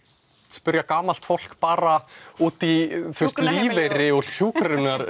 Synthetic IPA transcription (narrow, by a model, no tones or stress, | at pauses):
spʏɾjakaːmal̥t̪fowl̥kpaːɾauːt̪iθust̪liːveɾɪɔɣhuːkɾɾʏnaɾ